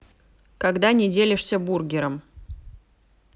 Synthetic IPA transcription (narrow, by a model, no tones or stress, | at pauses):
kɐɡd̪anʲɪdʲelʲɪʂsʲəburɡʲɪɾəm